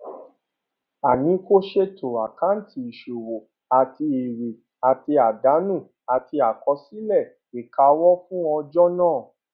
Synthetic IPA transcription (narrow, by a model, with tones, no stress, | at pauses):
a˨nĩ˨˦ko˦ʃe˦tʰo˨a˨ka˨˦n̩˦ti˧i˨ʃo˨wo˨ | a˨ti˧e˨ɾe˨ | a˨ti˧a˨da˨˦nũ˦˨ | a˨ti˧a˨kɔ˧˦si˦lɛ˦˨ | e˨ka˧wɔ˦fũ˦ɔ̃˧d͡ʒɔ˦nãː˦˨